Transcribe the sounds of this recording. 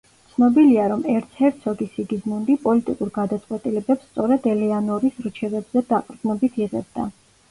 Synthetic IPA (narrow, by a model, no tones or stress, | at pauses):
tsʰnɔbiliaɾɔmɛɾt̪sʰɛɾt̪ʰsɔɡisiɡid̪zmund̪ipʼɔlit̪ʼikʼuɾɡad̪at̪sʼqʼwɛt̪ʼilɛbɛpst̪sʼɔɾɛd̪ɛlɛanɔɾisɾt͡ʃʰɛbɛbz̥ɛd̪aqʼɾɡnɔbit̪ʰiʁɛ̰b̚d̪a̰